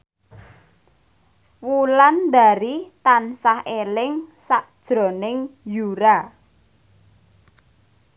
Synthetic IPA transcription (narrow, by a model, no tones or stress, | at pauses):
wuland̪a̤ɾit̪ansahelɪŋsaʔd̥ʒ̥ɾo̤nɪŋjuɾa